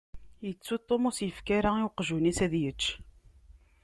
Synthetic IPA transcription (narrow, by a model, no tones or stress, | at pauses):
jət͡sːut̪ˤːomʊsjəfkaɾaiwqʒunisæðjət͡ʃː